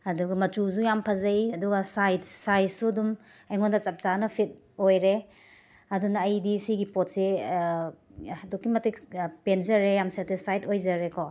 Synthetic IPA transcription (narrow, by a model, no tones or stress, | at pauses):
ɐduɡɐmɐt͡ʃus̬ujampʰɐzɐjɐduɡasajdsajsudumɐjŋondɐt͡ʃɐp̚t͡ʃanɐpʰit̚ | ojɾe | ɐdunɐːjdisiɡipot̚se | hɐdukːimɐtikpenzɐɾejamseɾtispʰajdojzɐɾekɔ